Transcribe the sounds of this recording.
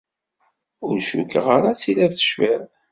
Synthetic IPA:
ʊɾʃṵkʁaɾat͡silæθə̥ʃvæð

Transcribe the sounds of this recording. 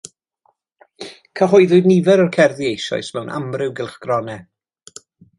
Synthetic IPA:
kʰəɦʊɨðʊdnivɛɾɔrkʰɛrðiejʃɔ̰ɨsmɛwnʔa̰mrɪwɡɪlˠχɡ̥rɔnɛ

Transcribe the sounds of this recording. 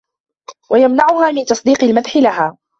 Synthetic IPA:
wajamnaʕʊhaːmɪnt̪ɑsˤd̪iːqɪlmad̪ħɪlaɦaː

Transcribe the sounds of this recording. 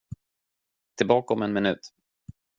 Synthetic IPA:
t̪ʰɪlbɑːkɔmɛnmɪnʉ̟̰ːt̪

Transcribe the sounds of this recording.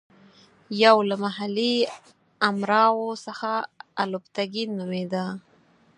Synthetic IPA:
jawlamaɦali | amɾɑwosəxaalopt̪aɡinumed̪a

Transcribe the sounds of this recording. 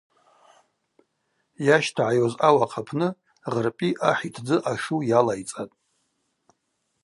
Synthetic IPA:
jaʃtʰaʕajozawaqʰapʰnɨ | ʁərpʼiʔaħitʰd͡zɨʔaʂujalajt͡sʼatʼ

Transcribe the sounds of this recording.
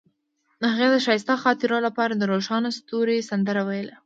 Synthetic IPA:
haɣad̪əʃɑjst̪ɑxɑt̪ɪɾolapɑɾad̪əɾoʃɑnost̪oɾesand̪əɾawajəla

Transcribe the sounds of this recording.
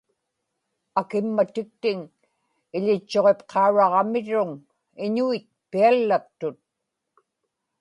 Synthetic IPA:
akɪmːat̪ɪk̚t̪ɪŋ | ɪʎɪt͡ʃːo̞ʁe̞pqʰɑuɻɑʁɑmɪɻʊŋ | ɪɲuit̪̚pialːap̚t̪ʊt̪̚

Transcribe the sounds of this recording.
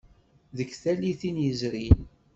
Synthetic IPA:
ðəkːθæliθinjəzɾin

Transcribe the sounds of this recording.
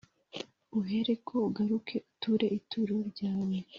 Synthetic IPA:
uɦe̞ɾekʰo̞uɡaɾukʰe̞ʔutuɾe̞ʔitʰuɾuɾɟaːwe

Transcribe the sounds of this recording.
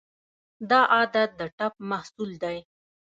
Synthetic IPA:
d̪ɑʔɑd̪at̪̚d̪əʈap̚mahsuld̪aj

